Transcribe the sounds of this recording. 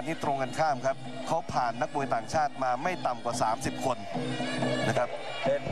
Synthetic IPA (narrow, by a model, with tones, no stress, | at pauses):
nt̪ʰiː˥˩t̪ɾo˧ŋka˧nkʰaː˥˩mkʰa˦˥p̚ | kʰa˦˥wpʰaː˨˩nːa˦˥k̚buː˧jt̪aː˨˩ŋt͡ɕʰaː˥˩t̪̚maː˧ma˥˩jt̪a˨mkwaː˨˩saː˩˦msi˨˩p̚kʰo˧n | na˦˥kʰa˦˥p̚